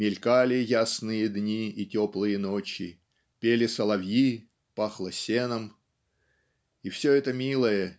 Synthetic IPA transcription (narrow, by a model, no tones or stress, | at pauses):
mʲɪlʲkalʲɪjasnɨjəd̪nʲiitʲoplˠɨjənot͡ɕɪ̰ | pʲelʲɪsəlˠɐvʲji | paxlˠəsʲenəm | ifsʲoɛt̪əmʲilˠəjə